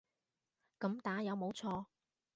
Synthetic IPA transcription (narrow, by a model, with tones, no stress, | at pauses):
kɐ˨˧˥mt̪aː˨˥jɐ˨˧wmo˨˧wt͡sʰɔː˧